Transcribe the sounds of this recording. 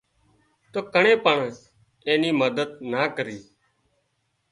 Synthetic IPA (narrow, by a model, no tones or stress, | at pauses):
t̪oːkəɳẽːpəɳ | eːniːməd̪əd̪naːkəɾiː